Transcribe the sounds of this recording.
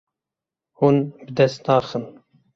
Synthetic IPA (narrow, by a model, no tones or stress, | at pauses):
hunbɨd̪ɛst̪nɑːxɨn